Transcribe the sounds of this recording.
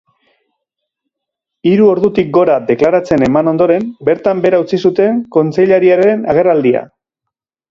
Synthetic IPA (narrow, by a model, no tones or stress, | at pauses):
iɾuo̞ɾðut̪ik̚ɡo̞ɾad̪e̞klaɾat͡se̞ne̞mano̞nd̪o̞ɾe̞mbe̞ɾt̪ambe̞ɾaut͡sisut̪e̞ŋko̞nt͡se̞ʎaɾiaɾenaɣ̞e̞rald̪ia̰